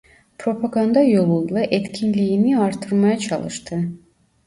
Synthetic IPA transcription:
pʰɾo̞pʰaɡand̪ɑjo̞lˠunlˠɑʔet̪cʲʰinlijiniɑɾt̪ʰɯɾmɑjat͡ʃʰɑ̰lˠɯ̰ʃt̪ʰɯ

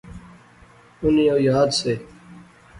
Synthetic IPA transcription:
ʊnijoːjaːd̪seː

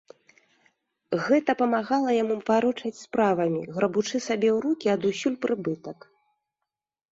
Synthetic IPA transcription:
ɣɛt̪ɐpɐmaɣalˠɐjamuvaɾɔt͡ʂɐt͡sʲspɾavɐmʲḭɣɾɐbut͡ʂɨsabʲɛwɾukʲiɐd̪usʲulʲpɾʔɨbɨt̪ɐk

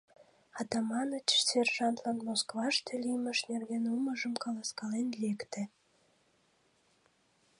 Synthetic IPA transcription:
ɑt̪ɑmɑnət͡ɕserʒɑnt̪lɑnmoskβɑʃt̪eliməʃnerɣenuməʒəmkɑlɑskɑlenlekt̪ĕ

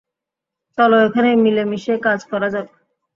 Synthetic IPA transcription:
t͡sɔloekʰanemilemiʃekad͡zkɔɾad͡ʑabe

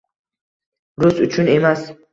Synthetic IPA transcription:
ɾusut͡ʃʰunemas

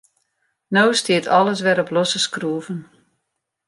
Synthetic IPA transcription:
nowstiətʰɔləs̬ʋɛɾɔplɔsəskruːvən

